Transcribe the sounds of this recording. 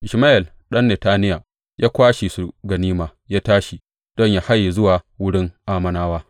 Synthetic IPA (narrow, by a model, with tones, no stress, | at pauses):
ʔɪ˨ʃmaː˦ʔɪ˨l | ɗɐ˦nːe˨taː˦nɪ˦ja˨ | jaː˦kʷaː˦ʃi˨su˨ɡɐ˨niː˦maː˨jaː˦taː˦ʃi˨ | d̥ɔ˦ɲjaː˦ha˦jːi˨zʊ˦waː˨wʊ˦ɽɪ˦ŋʔaː˦mɐ˦naː˦waː˦